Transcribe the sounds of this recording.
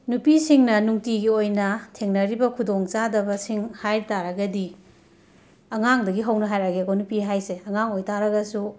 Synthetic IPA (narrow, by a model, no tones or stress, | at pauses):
nupisiŋnɐnuŋtiɡiojnɐtʰeŋnɐɾibɐkʰudoŋt͡ʃadɐbɐsiŋhajɾtaɾɐɡɐdi | ɐŋaŋdɐɡiɦɐwnɐɦajɾaɡeɡonupiɦajseɐŋaŋojtaɾɐɡɐsu